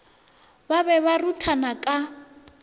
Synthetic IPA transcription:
baβɛβarutʰanakʼa

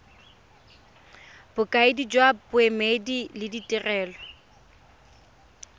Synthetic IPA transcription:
b̥ʊkʼaɪdid͡ʒwabʊɛmedilɪditʼɪrɛːlɔ

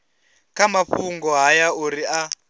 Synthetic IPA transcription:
kamaɸuŋɡɔɦajauɾia

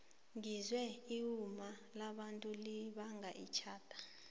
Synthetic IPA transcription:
ŋizwɛiumalaɓantʼuliɓaŋɡʱaʔḭt͡ʃʰaːtʼḁ

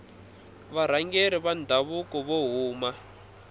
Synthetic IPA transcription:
βaɾ̤aŋɡeɾiβandʱaβukɔβoɦuːma

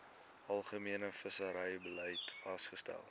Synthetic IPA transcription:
ɐlˠχəmiənəfəsəɾəjbəlɛjtfɐstχəstæ̰lˠ

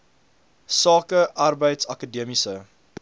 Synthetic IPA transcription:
sɑːkəʔɐrbəjtsɐkədiəmisə

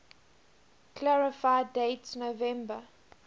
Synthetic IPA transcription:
kʰlɛɹɪfaɪdeɪtsnovɛ̃mbə

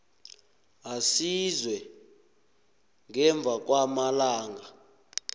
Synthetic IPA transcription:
asizwɛ | ŋɛɱb̪vʱak̬wamalaːŋɡa

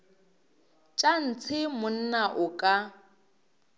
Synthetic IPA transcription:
t͡ʃʼan̩t͡sʰɪmʊn̩naʔʊkʼa

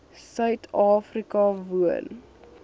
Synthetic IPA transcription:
sœɥtʰɑːfrikɐvuə̰n

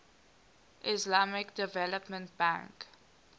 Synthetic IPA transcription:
ʔɪslamɪkdɛvɛləpmə̃nt̚b̥ã̰ŋk

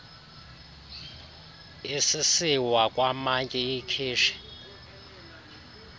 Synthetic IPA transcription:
isisiwakʼwamaŋkʼɛikʰiːʃɛ̥

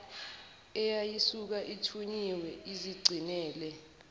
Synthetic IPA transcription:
ɛjajisuk̬aʔitʰuɲiwɛiziɡ͡ǀʱinɛːlɛ

